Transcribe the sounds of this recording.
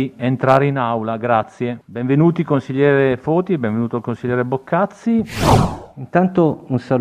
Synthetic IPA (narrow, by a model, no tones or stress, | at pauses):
ient̪ɾaːɾeinawlaɡɾat̪sːjebeɱvenuːt̪ikonsiʎːɛːɾefɔːt̪ibẽɱvenuːt̪oalkonsilʎːɛːɾebokːat̪sːi | int̪ant̪ounsa